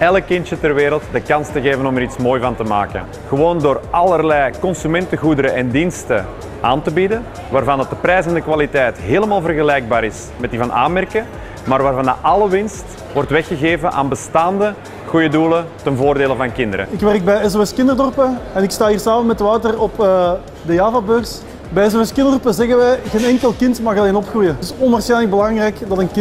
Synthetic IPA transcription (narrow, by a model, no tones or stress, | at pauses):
ɛləkːɪntjətərʋeːɾəlˠtdəkɑnstəɣeːvənɔməɾitsmoːjvɑntəma̰ːkə̰n | ɣəʋoːndoːrʔɑlˠərlɛjkɔnsymɛntəɣudəɾəʔɛndinstə | ʔa̰ːntəbidən | ʋaːrvɑndɑt̚dəprɛjsɛɑndəkʋalitɛjtɦeːləmaːlˠvərɣəlɛjɡ̚baːɾɪs | mɛtdivɑnʔa̰ːnmɛrkə | maːrʋaːrvɑnaʔɑləʋɪnst | ʋɔrtʋɛxəɣeːvəʔa̰ːnbəstaːndə | ɣujədulətənvoːrdeːləvɑnkɪndəɾə̰ɪkʋɛrək̚bɛjɛzoɛskɪndərdɔrpəɛnɪkstaːɦiːrsaːmənmɛtəʋaːtərɔpəː | dəjaːvabøːrs | bɛjɛzoɛskɪndɔrpəzɛɣəʋɛjɣeːnɛŋkəlˠkɪntmɑɣɑleːnɔpxrujətɪsɔnarsɛːnləɡ̚bəlɑŋrɛːkdɑtənkɪ